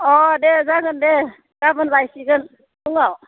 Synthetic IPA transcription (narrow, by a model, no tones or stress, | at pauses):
ɔdezaɡɯnde | ɡ̥abɯnbajsiɡɯn | duŋaw